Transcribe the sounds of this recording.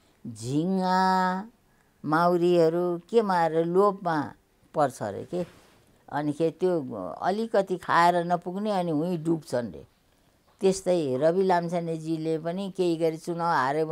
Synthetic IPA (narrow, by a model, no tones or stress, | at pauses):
d͡zʱiŋa | mawɾiɦʌɾukemaeɾʌlopma | pʌrt͡sʰʌ̰ɾḛke | ʌ̰nikʰet̪joʌ̰likʌt̪ikʰaeɾʌnʌpuɡneʌniɦũĩɖupt͡sʰʌnrḛ | t̪est̪ʌjrʌβilamt͡sʰaned͡zilepʌnikeiɡʌɾit͡sunawaɾe